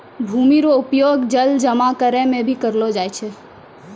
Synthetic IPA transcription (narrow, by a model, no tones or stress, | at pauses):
bʱuːmiɾoʊpjoːɡd͡ʒəld͡ʒəmakəɾɛ̃mẽbʱikəɾlod͡ʒaːjt͡ʃʰe